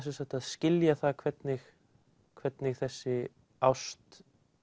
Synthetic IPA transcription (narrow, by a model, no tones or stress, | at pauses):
s̬ɛnsaht̪aðscɪljaθaðkʰvɛt̪nɪx | kʰvɛt̪nɪxθɛsːɪ | awst̪